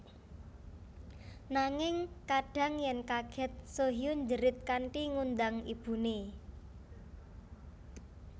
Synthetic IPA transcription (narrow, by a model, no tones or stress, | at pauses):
naŋɪŋkaɖ̥ä̤ŋjɛŋkaɡ̥ɛ̤t̪̚soɦijʊɲd͡ʒəɾɪt̪̚kaɳʈiŋund̪aŋib̥ṳne